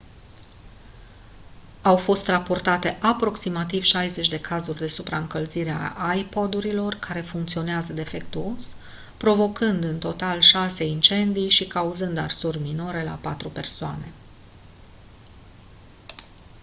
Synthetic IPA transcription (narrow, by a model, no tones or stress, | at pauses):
awfo̞st̪rapo̞rt̪at̪e̞ʔapɾo̞ksimat̪iv̥ʃajze̞t͡ʃʲd̪e̞kʰazurʲd̪e̞supɾaɨŋkəlziɾea̰ʔajpo̞d̪uɾilo̞rkʰaɾe̞fuŋkt̪sio̞neazəd̪e̞fe̞k̚t̪uo̞s | pɾo̞vo̞kɨnd̪ɨnt̪o̞t̪alʃase̞int͡ʃe̞nd̪ijʃikauzɨnd̪arsurʲmino̞ɾe̞la̰pat̪ɾupe̞rsoa̰ne̞